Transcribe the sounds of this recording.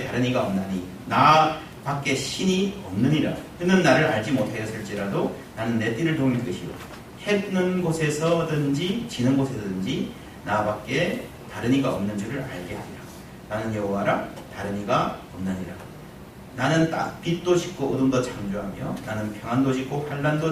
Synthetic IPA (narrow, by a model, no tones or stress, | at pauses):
taɾɯɲiɡaʌmnaɲi | na | pak͈e̞ɕʰiɲiʌmnɯɲiɾakɯnɯnːaɾɯɾaɭd͡ʑimotʰajʌs͈ʰɯɭt͡ɕ͈iɾado | nanɯnːe̞t͈iɾɯɭtomidɯɯɕʰio̰ | he̞dnɯnɡosʰe̞sʰʌdɯnd͡ʑit͡ɕinɯnɡosʰe̞sʰʌdɯnd͡ʑi | nabak͈e̞ | taɾɯɲiɡaʌmnɯnd͡ʑuɾɯɾa̰ɭɡe̞ɦaɾiɾa | nanɯnjʌɦoɦaɾa | taɾɯɲiɡaʌmnɯɲiɾa | nanɯnta̰pit͈oɕʰi̥k̚k͈oːdɯŋdʌt͡ɕamd͡ʑoɦa̰mijo̰nanɯnpʰjʌŋɦandod͡ʑik͈oɸaɭːando